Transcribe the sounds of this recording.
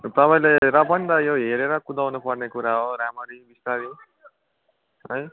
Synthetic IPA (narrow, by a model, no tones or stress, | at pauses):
t̪ʌpaĩlajɾʌbʌnd̪ʌjoɦeɾeɾʌkud̪awnupʌrnekuɾaɦoɾamʌɾibist̪aɾi | ɦʌj